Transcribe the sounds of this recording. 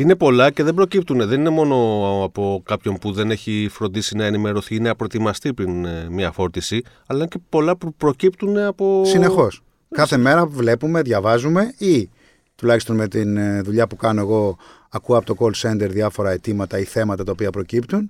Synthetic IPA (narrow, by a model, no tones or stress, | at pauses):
ine̞po̞lɐce̞ðe̞bɾo̞cipt̪uneðe̞nine̞mo̞no̞ɐpo̞kɐpço̞npuðe̞ne̞çifɾo̞nd̪isinɐenime̞ɾo̞θiineɐpɾo̞et̪imɐst̪ipɾinmɲɐfo̞ɾt̪isi | ɐlɐince̞po̞lɐpupɾo̞cipt̪une̞ɐpo̞sine̞xo̞s | kɐθe̞me̞ɾɐvle̞pume̞ðʝɐvɐzume̞i | t̪ulɐçist̪o̞nme̞t̪inðuʎɐpukɐnoe̞ɣo̞ | ɐkuɐpo̞t̪o̞kolse̞nd̪e̞ɾðjɐfo̞ɾɐe̞t̪imɐt̪ɐiθe̞mɐt̪ɐt̪ɐopiɐpɾo̞cipt̪un